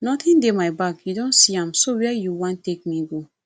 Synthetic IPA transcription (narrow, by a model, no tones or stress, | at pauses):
nɔt̪ĩndemaɪbakjudõnsiãmsowɛɛjuwɔ̃ntːek̚miɡo